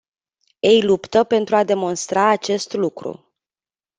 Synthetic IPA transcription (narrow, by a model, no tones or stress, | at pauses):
ejlupt̪əpe̞nt̪ɾuad̪e̞mo̞nst̪ɾaːt͡ʃe̞st̪lukɾṵ